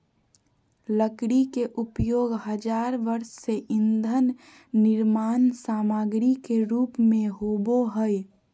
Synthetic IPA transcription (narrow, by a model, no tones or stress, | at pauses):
ləkɽikeʔʊpjoːɡɦəd͡ʒaːɾʋəɾsːeʔɪnd̪ʱənː | ɪɾmaːnsaːmaːɡɾikeɾuːpmẽɦoboɦəj